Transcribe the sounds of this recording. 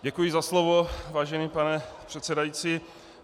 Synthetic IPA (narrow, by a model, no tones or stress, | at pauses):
ɟɛkujɪzaslovovaːʒɛniːpanɛpr̝̥ɛt̪sɛdajit͡siː